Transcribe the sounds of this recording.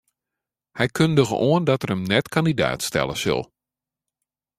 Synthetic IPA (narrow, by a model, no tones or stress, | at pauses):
hɛjkʰøndəɣə̰ʔoəndɔtərəmnɛtkʰandida̰ːtstɛ̰lˠə̰sɵ̰lˠ